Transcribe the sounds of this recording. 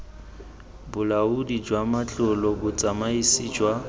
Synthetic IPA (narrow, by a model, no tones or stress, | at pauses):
bʊlaudid͡ʒwamat͡ɬʼʊlɔbʊt͡sʼamaisiːd͡ʒwa